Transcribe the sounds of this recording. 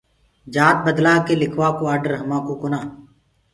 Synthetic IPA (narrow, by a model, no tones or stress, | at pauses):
d͡ʒaːt̪̚bəd̪laːkelɪkʰʋaːkoaːɾɖəɾɦəmãːkokʊnaː